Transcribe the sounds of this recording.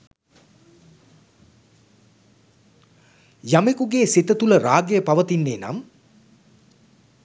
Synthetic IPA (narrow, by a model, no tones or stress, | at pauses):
jamekuɡeːsit̪ət̪uləɾaːɡejəpaʋət̪inːeːna̰m